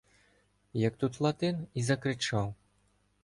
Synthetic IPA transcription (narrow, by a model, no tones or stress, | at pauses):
jɐk̚t̪ut̪lˠat̪ɨnizɐkɾɨt͡ʂaw